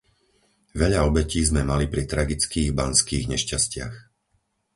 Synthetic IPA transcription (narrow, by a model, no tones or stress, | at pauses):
ʋɛʎaɔbɛciːzmɛmalipɾit̪ɾaɡit͡skiːɣbanskiːɣɲɛʃcascɪa̰x